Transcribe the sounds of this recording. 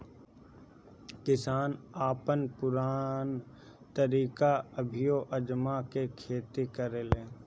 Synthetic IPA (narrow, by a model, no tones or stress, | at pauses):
kɪsaːnaːpənpʊɾaːn | t̪əɾiːkaəbʱɪjoʔəd͡ʒmakekʰeːt̪ikəɾeːlẽː